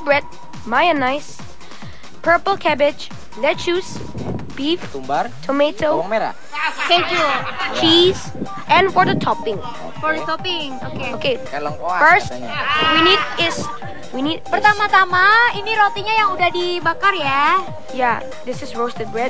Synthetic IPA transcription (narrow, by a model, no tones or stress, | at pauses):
bɹɛd̚ | majənajs | pʰə˞pəlˠkʰɛbɪd͡ʒ | lɛtt͡ʃus | b̥if | batʰometʰomeɾa̰ | skɛd͡ʒult͡ʃis | ʔɛ̃nfɔɹdətʰɔpɪ̃ŋ | fɔdət̪ɔpɪŋokeoke | lfəst | winidɪs | winidpərt̪amat̪amainiɾot̪iɲajaŋudahdibakarja | ja | d̪ɪsɪsɹost̪ɛd̚bɹɛd̚